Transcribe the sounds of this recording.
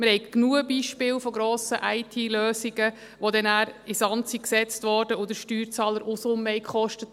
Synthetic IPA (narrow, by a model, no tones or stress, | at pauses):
məɾhɛɪɡknuəbiːʃpɪːlfɔɡɾoːsəʔaɪtʰiːløːsiɡə | ʋod̪ɛnæːɾɪsɑntsiksɛt͡stʋɔɾdəʊd̪əɾʃtyːɾt͡sɑːləɾʔusʊmɛɪkχɔʃtət